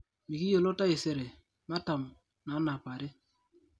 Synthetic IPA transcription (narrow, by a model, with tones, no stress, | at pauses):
mi˨ki˦jo˨lo˦ta˦e˨se˨ɾe˨ | ma˦ta˨m | na˨˦na˨pa˨ɾe˦